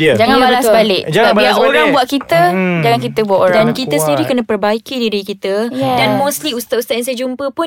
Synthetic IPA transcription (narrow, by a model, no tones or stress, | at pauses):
d͡ʒaŋãnbaləasbalɪʔd͡ʒaabioɾaŋbuaʔ̪̚kit̪əd͡ʒaŋank̬it̪əbwaʔoɾdankit̪əsəndiɾikənə̃pərbaikidiɾikit̪ədanmõsliust̪at̪ust̪at̪ɛnsajd͡ʒumpəpʊn